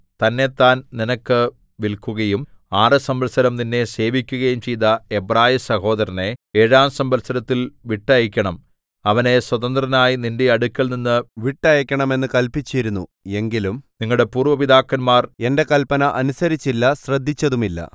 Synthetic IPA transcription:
t̪ɐnːe̞t̪ːaːnninɐkːɨ | ʋilkuɣɐjum | aːrɨsɐmbɐlsɐɾɐmninːe̞se̞ːʋikʲːuɣɐjumt͡ɕejt̪ɐebraːjisɐho̞ːd̪ɐɾɐne̞eːɻaːmsɐmbɐlsɐɾɐt̪ːilʋiʈːɐjɐkʲːɐɳɐm | ɐʋɐne̞swɐðɐnd̪rɐnaːjinindeɐɽukʲːɐlninːɨʋiʈːɐjɐkʲːɐɳɐme̞nːɨkɐlpit͡ɕːijiɾunːṵe̞ŋɡilumniŋːɐɭɽe̞puːrʋɐʋiðaːkːɐnmaːre̞nde̞kɐlpɐnɐʔɐnusɐɾit͡ɕːilːɐsrɐd̪ʱːit͡ɕːɐðumilːɐ̰

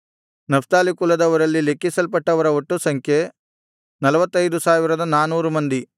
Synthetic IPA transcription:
nɐft̪aːlikulːɐd̪ɐʋɐɾɐlːile̞kːisɐlpɐʈːɐʋɐɾɐoʈːusɐŋkʰje̞ | nɐlɐʋɐt̪ːɐjd̪usaːʋiɾɐd̪ɐnaːnuːɾumɐnd̪i

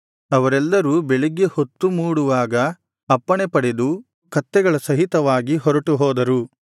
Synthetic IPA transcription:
ɐʋɐɾɛlːɐɾubeɭiɡːe̞hot̪ːumuːɽuʋaːɡɐː | pːɐɳepɐɽed̪u | kɐt̪ːɛɡɐɭɐsɐɦit̪ɐʋaːɡiɦɔɾɐʈuɦɔːd̪ɐɾu

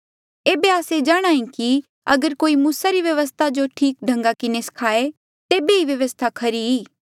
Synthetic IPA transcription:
eːbeaːsed͡ʒaːɽ̃aːĩki | ɐɡəɾkoːimuːsaɾiʋjɐʋəs̬t̪ʰad͡ʒoʈʰiːk̚ɖʱɐ̃ŋɡakɪnesɐ̥kʰaːe | t̪eːbeiʋjɐʋəst̪ʰakʰɐɾiɦiː

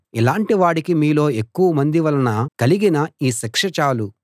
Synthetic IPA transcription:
ilaːɳʈiʋaːɽikimiːlo̞ːe̞kːuʋɐmɐnd̪iʋɐlɐnɐkɐliɡinɐiːsɐkʂɐt͡ʃaːlu

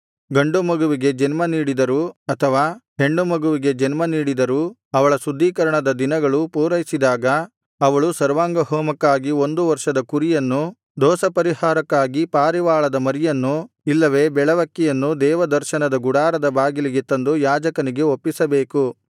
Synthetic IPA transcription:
ɡɐɳɖumɐɡuʋiɡe̞d͡ʒɐnmɐniːɽid̪ɐɾuɐt̪ʰɐʋaːɦe̞ɳɖumɐɡuʋiɡe̞d͡ʒɐnmɐniːɽid̪ɐɾu | ɐʋɐɭɐsud̪ʱːiːkɐɾɐɳɐd̪ɐd̪inɐɡɐɭupuːɾɐjisid̪aːɡɐː | ʋɐɭusɐɾʋaːŋɡɐhɔːmɐkːaːɡio̞nd̪uʋɐɾʂɐd̪ɐkuɾijɐnːu | d̪ɔːsɐpɐɾiɦaːɾɐkːaːɡipaːɾiʋaːɭɐd̪ɐmɐɾijɐnːu | ilːɐʋe̞ːbɛɭɐʋɐkːijɐnːud̪ɛːʋɐd̪ɐɾʃɐnɐd̪ɐɡuɽaːɾɐd̪ɐbaːɡiliɡet̪ːɐnd̪ujaːd͡ʒɐkɐniɡe̞opːisɐbeːku

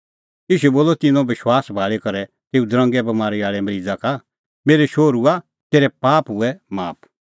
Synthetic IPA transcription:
iːʃuɛboːlːɔt̪ɪ̃nɔ̃ʋɪʃwaːsbʱaːɭekɐɾɛ | t̪eːud̪ɾɐ̃ŋɡɛbɐmaːɾiaːɭɛmɐɾid͡zaka | meːɾeʃoːɾua | t̪eːɾɛpaːpɦʊɛmaːp̚

